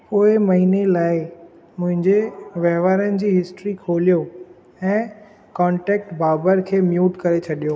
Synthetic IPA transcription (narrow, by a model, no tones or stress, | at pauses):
poːɪmɐɦinelaːɪ | mʊ̃ɦɪ̃ɲd͡ʑeʋɐɦʋaːɾənɪ̆d͡ʑiːɦɪsʈɾikʰoːlijo | ɛ̃ː | kɔ̃ːɳʈeːk̚ʈbʱaːbəɾkʰeːmjuːʈkɐɾet͡ɕʰɐɗijoː